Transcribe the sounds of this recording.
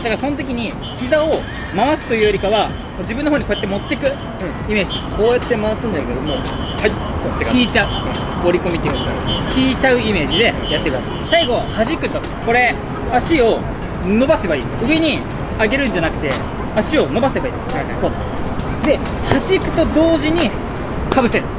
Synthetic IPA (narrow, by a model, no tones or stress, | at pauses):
d̪̥akaso̞not̪̬o̞kʲiɲ̟i | çizao̞ | maβasɨ̥t̪o̞jiɯːjoɾʲikaβa | moːd͡ʑibɯ̃nːoɦoːɲ̟ikoːjat̪ːemo̞t̪ːe̞kɯ̟̃ | ime̞ːd͡ʑikʰoːjat̪ːe̞maβasɨ̃ɲd͡ʑaiked̪omo | hai | ot̪ːekkiːt͡ɕaɯ̟̃ | o̞ɾʲiko̞mʲit̪ːekakʲiːt͡ɕaɯ̟ime̞ːʑid̪e̞jat̪ːekɯd̪a̰sa̰isaiɡo̞haʑikɯ̟t̪o̞ | ko̞ɾe̞ | aɕio̞ | no̞base̞baiːɯ̟e̞ɲ̟i | aɡe̞ɾɯ̟̃n̟d͡ʑanakɯ̟̥t̪e̞ | aɕio̞no̞base̞baḭːt̪o̥ako | d̪e̞ | haʑikɯ̟̥t̪o̞d̪o̞ːʑiɲ̟i | kabɯ̟se